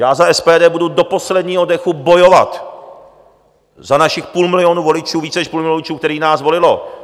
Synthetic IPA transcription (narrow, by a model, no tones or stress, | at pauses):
jaːzaʔɛspɛːdɛːbududo̞po̞slɛdɲiːɦodɛxubo̞jo̞va̰t̪ | zanaʃɪxpuːlmɪlɪo̞nuːvo̞lɪt͡ʃuːviːt͡sɛnɛʃpuːlmɪlolɪt͡ʃuːk̚t̪ɛɾiːnaːzvo̞lɪlo